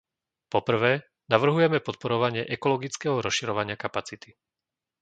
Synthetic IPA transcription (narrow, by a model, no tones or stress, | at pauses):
pɔpr̩ʋɛː | naʋr̩ɦujɛmɛpɔt̪̚pɔɾɔʋaɲɪɛʔɛkɔlɔɡit͡skɛɦɔɾɔsʃiɾɔʋaɲɪakapat͡sit̪i̥